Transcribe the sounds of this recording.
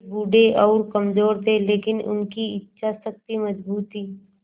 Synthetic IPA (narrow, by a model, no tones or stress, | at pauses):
buːɖeʔɔːɾkɐmzoːɾd̪eleːkɪnʊ̰nkiɪtːʃʰasɐk̚t̪imɐzbuːt̪iː